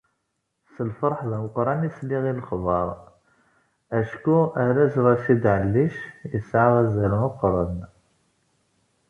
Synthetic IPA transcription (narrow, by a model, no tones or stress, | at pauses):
səlfɑɾˤħðæmʊqɾˤɑnislːiɣilxvɑɾˤ | æʃkuæɾæsɾɑʃid̪ʕəlːiʃjəsʕaðæzælmʊqɾˤɑd̪